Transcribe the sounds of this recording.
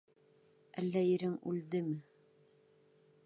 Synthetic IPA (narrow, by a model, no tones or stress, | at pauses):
ælːæjɘ̆ɾɘŋʉ̰ld̪ɘmɘ